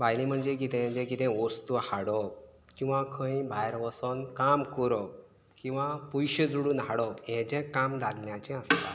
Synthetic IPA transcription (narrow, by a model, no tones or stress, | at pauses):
bajlĩm̤əɳd͡zek̬it̪ɛ̃d͡ʑɛ̃kit̪ɛ̃ʋɔst̪uhaɽɔ | kĩw̃ʋãkʰə̃ĩbʱajɾʋəsɔnkamkɔɾɔ | kĩw̃ʋãpujɕəd͡zuɽuːnɦaɽɔpjɛ̃d͡ʑɛ̃kamd̪ʱalnjat͡ɕɛ̃əst̪a̰